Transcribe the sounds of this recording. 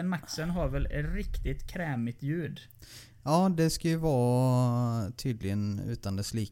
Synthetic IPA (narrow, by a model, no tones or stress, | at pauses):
nmaksənɦaɾvɛlɾɪkt̪ɪt̪kʰɾɛːmɪt̪jʉ̟ːɖ | jɑːd̪ɛskajɵvɑː | t̪ʰyːd̪lɪɡənʉ̟̰ːt̪and̪ɛsliː